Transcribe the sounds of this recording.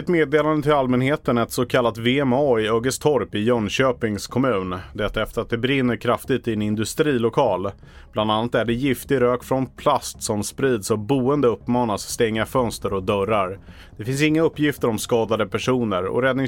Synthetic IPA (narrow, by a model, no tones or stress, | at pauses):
ɛt̪meːd̪eːland̪ət̪ʰɪlalmɛnheːt̪ənɛt̪sɔkʰalːat̪veɛmɑːɪøːɡəst̪ʰɔɾpɪjœnɕøːpɪŋskʰɔmʉ̟ːnd̪ɛt̪ːaɛft̪əɾat̪̚d̪ɛbɾɪnːəɾkʰɾaft̪ɪt̪ɪɛnɪnd̪ɵst̪ɾiːlʊkʰɑːl | b̥land̪anːat̪æɖɛjɪft̪ɪɾøːkfɾɔnpʰlast̪sɔmspɾiːd̪sɔbuːənd̪əɵpːmɑːnasːt̪ɛŋːafœnst̪əɾɔd̪œɾaɾ | d̪̥ɛfɪnsɪŋːaɵpːjɪft̪əɾɔmskɑːd̪ad̪əpʰæʂuːnəɾɔ̰ɾɛd̪nɪ